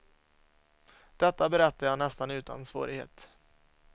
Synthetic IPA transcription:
d̪̥ɛt̪ːabɛɾɛt̪ːajɑːnɛst̪anʉ̟ːt̪a̰nsvo̰ːɾɪɡhḛːt̪

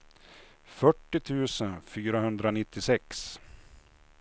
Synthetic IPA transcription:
fœʈːɪt̪ʰʉ̟ːsənfyːɾahɵnd̪ɾanɪt̪ːɪsɛks

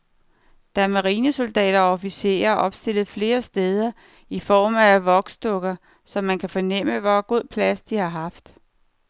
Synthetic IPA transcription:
d̥ææɐmɑʁiːnəso̝ld̥ɛ̰ːɾ̥ɐɒɒfise̝̰ːɐʔɒ̽b̥sd̥e̝l̰ð̩ˠfle̝ːɐsd̥eːð̞ˠɐ | ifɒːmæʋɒ̽ɡ̥sd̥ɔ̽ɡ̥ɐ | sɒ̽mːænkʰæfɒ̽nem̰əʋɒɡ̥o̝ð̞̰ˠpʰlæsd̥ihɑ̈ɦɑ̈fd̥

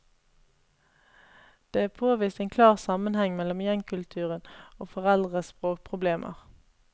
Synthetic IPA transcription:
d̪̥eːæːpʰoːʋiːst̪eːnkʰlɑːʁsɑmənhɛŋmɛlɔmjɛŋkʰʉlt̪ʰʉːʁənoːfɔʁɛld̪ʁəspʁoːk̚pʰʁʊbleːmʔə̰ʁ

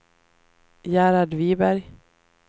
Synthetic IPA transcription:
jæːɾaɖ̪viːbæɾj

